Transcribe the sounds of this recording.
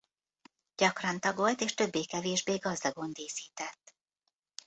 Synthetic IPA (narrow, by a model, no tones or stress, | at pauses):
ɟ̥ɒkrɒnt̪ɒɡo̞lt̪eːʃt̪ø̞bːeːkɛveːʒbeːɡɒzd̪ɒɡo̞nd̪eːsiːt̪ɛt̪ː